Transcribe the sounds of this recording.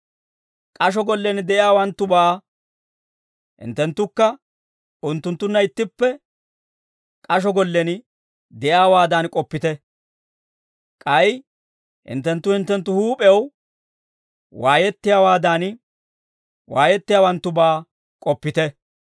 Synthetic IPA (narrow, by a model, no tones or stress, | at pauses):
kʼɐʃ̬ɔɡɔlːɛnɪd̪ɛʔɪjaːwɐnt̪ːʊbaː | hɪ̰nt̪ːɛnt̪ːʊkːɐ | ʊnt̪ːʊnt̪ːʊnːɐɪt̪ːɪpːɛ | kʼɐʃ̬ɔɡɔlːɛn | d̪ɛjaːwaːd̪aːnkʼɔpːɪt̪ɛ | kʼɐj | hɪ̰nt̪ːɛnt̪ːʊhɪnt̪ːɛnt̪ːʊhuːpʼɛw | waːjɛt̪ːɪjaːwaːd̪aːn | waːjɛt̪ːɪjaːwɐnt̪ːʊbaː | kʼɔpːɪt̪ɛ